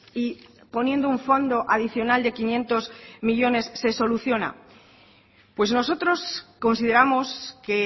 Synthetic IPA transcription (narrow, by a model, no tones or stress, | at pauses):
i | po̞nje̞nd̪ouɱfo̞nd̪o̞ʔaðiθjo̞nald̪e̞kinjẽ̞nt̪o̞zmiʎo̞ne̞sːe̞so̞luθjo̞na̰ | pwe̞zno̞so̞t̪ɾo̞sko̞nsiðe̞ɾamo̞ske̞